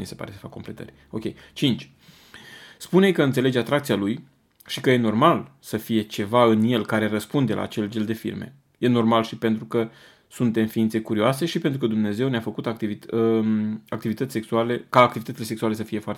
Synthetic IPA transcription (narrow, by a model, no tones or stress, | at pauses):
mḭse̞pa̰ɾese̥fakːo̞mple̞t̪ə̰rʲ | o̞̰kʲe̞̰jt͡ʃint͡ʃʲ | spunekəɨnt̪sele̞d͡ʒat̪ɾakt̪sialuj | ʃikəje̞no̞rmalsəfije̞t͡ʃe̞vaɨnje̞lkaɾe̞rəspund̪e̞lʔa̰ːt͡ʃe̞ld͡ʒeld̪e̞fḭrme̞̰ | je̞no̞rmalʃipe̞nt̪ɾukə | sunt̪e̞mfiint̪se̞kuɾioase̞ʃipent̪ɾukəd̪umne̞ze̞wneafəkut̪akt̪ivi | ak̚t̪ivit̪ət̪sʲseksuale̞kaːk̚t̪ivit̪ət̪ile̞seksuale̞səfije̞foart̪